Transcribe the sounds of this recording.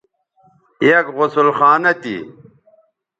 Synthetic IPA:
ekʁʊsulxaːnɐt̪ḭ

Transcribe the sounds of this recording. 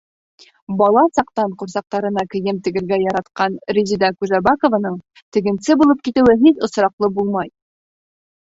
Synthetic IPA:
bɒlˠɑsɑq̚t̪ɑɴquɾsɑq̚t̪ɑɾɤ̆nɑkɘ̆jɘmt̪ɘ̆ɡɘ̆ɾɡæjɑɾɑt̪qɑnɾʲizʲid̪ɑkuʒæbakŏvanɤɴ | t̪ɘ̆ɡɘ̆nsɘbulˠɤp̚kit̪ɘ̆wɘɦit̪ŏsɾɑqlˠɤbulˠmɑj

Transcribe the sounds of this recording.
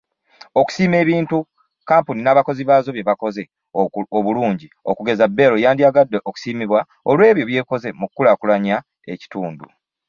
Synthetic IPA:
o̞ku̥siːme̞ːβiːntu | kaːmpuninaːβako̞ziβazo̞βje̞βako̞ze̞ | oβuluːɲɟio̞̰kuɡe̞zabːe̞lojaːndiaɡadːeʔoku̥siːmiβwa | olwe̞ːβjo̞βje̞ko̞ze̞mukkːulakulaɲa | e̞̰ci̥tuːndṵ

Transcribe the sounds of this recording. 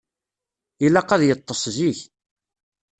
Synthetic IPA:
ilæqæðjət̪ˤːəsˤziç

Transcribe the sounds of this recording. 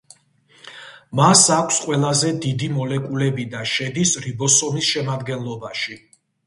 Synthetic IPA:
masakʷʰsqʼwɛlˠazɛd̪id̪imɔlɛkʼulɛbid̪aʃɛd̪isɾibɔsɔmisʃɛmad̪ɡɛnlˠɔbaʃi

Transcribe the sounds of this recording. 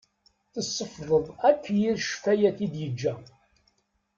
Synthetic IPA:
θəsˤːəfðˤəðˤækʷːjiɾʃfæjæθid̪jəd͡ʒːæ

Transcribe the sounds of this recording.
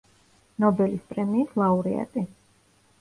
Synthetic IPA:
nɔbɛlispʼɾɛmiːslˠauɾɛ̰a̰t̪ʼi

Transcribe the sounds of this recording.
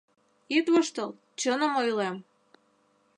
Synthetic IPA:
it̪βəʃt̪əl | t͡ɕənəmojlem

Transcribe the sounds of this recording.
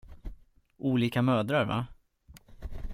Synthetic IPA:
ʔuːliːkamœːd̪ɾaɾva̰

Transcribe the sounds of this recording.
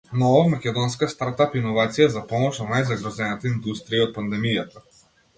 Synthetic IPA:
nɔvamakʲɛd̪ɔnskast̪aɾt̪apinɔvat̪sijazapɔmɔʃad̪najzaɡɾɔzɛnat̪aind̪ust̪ɾiiɔt̪̚pand̪ɛmijat̪a

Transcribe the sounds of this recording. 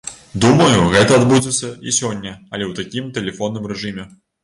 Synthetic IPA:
d̪umɐjuɣɛt̪ɐad̪bud͡zʲɛt̪sʲːɐisʲɔnʲːɐɐlʲɛwt̪akʲimt̪ɛlʲɛfɔnːɨmɾɛʐɨmʲɛ

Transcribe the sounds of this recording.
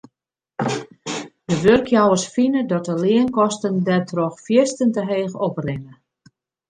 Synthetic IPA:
dəʋørkʰjawərsfinədɔtəlɪənkɔstəndɛtʰroxfjɪstəntəɦeːɣoprɪnə

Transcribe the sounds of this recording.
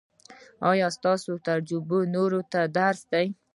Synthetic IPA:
ɑjɑst̪ɑsot̪aɾd͡ʒubonoɾot̪ad̪aɾsd̪aj

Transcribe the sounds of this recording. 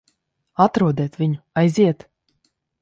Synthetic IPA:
at̪ɾuɔd̪ɛːt̪vʲiɲʊajziɛt̪

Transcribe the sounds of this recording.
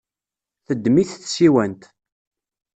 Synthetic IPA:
θəd̪ːmiθθsiwænt̪

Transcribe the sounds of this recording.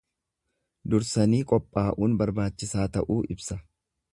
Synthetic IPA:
d̪ʊɾsɐniːkʼɔpʼːaːʔuːnbɐɾbaːt͡ʃːɪsaːt̪ɐʔuːʔɪbsɐ

